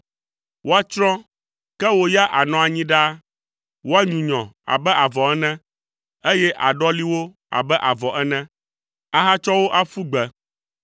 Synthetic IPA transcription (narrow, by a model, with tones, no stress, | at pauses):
wʔo˦a˦t͡ʃɾɔ̃˦ | kɛ˦wo˦ja˦ʔa˨nɔ̃˨a˨ɲĩ˦ɖa˦ | wo˦a˦ɲũ˨ɲɔ̃˨a̰˨bɛ˦ʔa˨vɔ˨ɛ˦nɛ̃˦ | e˦jɛ˦ʔa̰˨ɖɔ˦li˦wo˦ | a̰˨bɛ˦ʔa˨vɔ˨ʔɛ˦nɛ̃˦ | a˨ɦa˦t͡ʃɔ˦wo˦ʔa˦fu˦ɡ͡bɛ˨